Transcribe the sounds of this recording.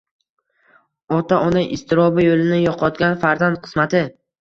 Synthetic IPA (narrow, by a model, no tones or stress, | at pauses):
ɒt̪ʰaʔɒnaʔɪst̪ʰɪɾɒbɪjolɪnɪjɒqʰɒt̪ɡʲanfaɾzand̪̚qʰɨ̥smat̪ʰɪ